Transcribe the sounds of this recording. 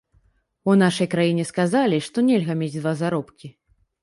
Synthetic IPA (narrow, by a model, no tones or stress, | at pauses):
unaʂɐjkɾajinʲɛskazalʲiʂt̪ɔnʲɛlʲɣɐmʲed͡zʲd̪vazaɾɔpkʲi